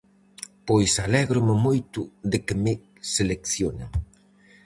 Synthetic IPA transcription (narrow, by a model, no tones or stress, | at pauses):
pojsalɛɣɾʊmɪmojt̪ʊðɪkɪmɪ | selekθjona